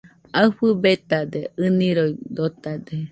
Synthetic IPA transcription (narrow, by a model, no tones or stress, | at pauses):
aɨɸɨbet̪ad̪eɨniɾojd̪ot̪ad̪e